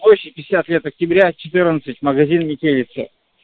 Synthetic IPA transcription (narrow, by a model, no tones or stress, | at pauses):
oɕɪt̚ʲpʲɪɪsʲat̪lʲet̪ɐk̚tʲɪbɾʲat͡ɕɪt̪ɨrnət̪sɨtʲməɡɐzʲinmʲɪtʲelʲɪt̪sə̰